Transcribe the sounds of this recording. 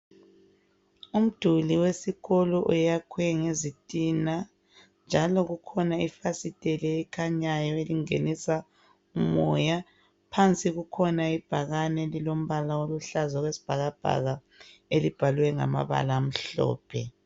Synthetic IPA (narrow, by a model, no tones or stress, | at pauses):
um̩d̥ʱuliwesiɣɔlɔʔujakʰwɛŋezitʼina | nd͡ʒʱalɔɣukʰɔnaifasitʼɛlɛɛkʰaɲajɔeliŋḛnisa | umɔja | pʰant͡sʼiɣukʰɔnaib̥ʱaɣanɛlilom̩βalaoluɬazɔɣwesi̥b̥ʱaɣab̥ʱa̰ɣa | elib̥ʱaluwɛŋa̰ma̰βa̰laːm̩ɬɔ̰ːpʰɛ